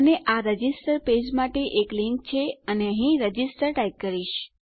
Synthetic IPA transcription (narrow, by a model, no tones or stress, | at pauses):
əneʔaɾəd͡ʒisʈəɾped͡ʒmaʈeʔekliŋk̚t͡ʃʰeəneəɦĩɾəd͡ʒisʈəɾʈajkːəɾiʃ